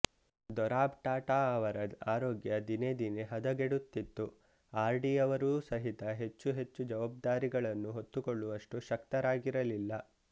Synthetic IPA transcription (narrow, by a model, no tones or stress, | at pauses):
d̪ɔɾaːbʈaːʈaːɐʋɐɾɐd̪aːɾoːɡjɐd̪ine̞d̪ine̞ɦɐd̪ɐɡeɽut̪ːit̪ːu | aːɾɖiɐʋɐɾuːsɐɦit̪ɐɦe̞t͡ʃːuɦe̞t͡ʃːud͡ʒɐʋaːb̚d̪aːɾiɡɐɭɐnːuɦot̪ːukoɭːuʋɐʂʈuʃɐkt̪ɐɾaːɡiɾɐlilːɐ